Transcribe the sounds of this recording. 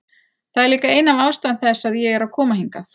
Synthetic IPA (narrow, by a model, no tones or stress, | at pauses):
θaðɛɾliːkaeːjnavaːwst̪anθɛsːaðjɛɣɛɾawkʰɔːmaɦiŋkaθ